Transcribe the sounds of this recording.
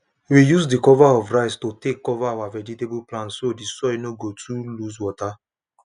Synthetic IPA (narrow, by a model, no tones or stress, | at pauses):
wijusdikɔvaɔvɹaɪstotekːɔvaːwavɛd͡ʒitebuplãnsodisɔnoɡotʰulus̬wɔta